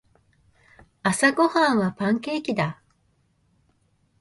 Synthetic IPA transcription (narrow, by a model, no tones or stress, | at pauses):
asaɡo̞hãɰ̃βapãŋke̞ːkʲid̪a